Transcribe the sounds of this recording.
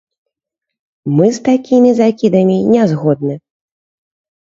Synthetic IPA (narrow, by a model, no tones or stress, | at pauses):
mɨst̪akʲimʲizakʲid̪ɐmʲinʲɛzɣɔd̪̚nɨ